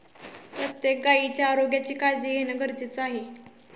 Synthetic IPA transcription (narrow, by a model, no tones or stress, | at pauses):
pɾət̪jek̚ɡait͡ɕjaːɾoɡjat͡ɕiːkad͡ʑiːɡenəɡəɾt͡sit͡saɦe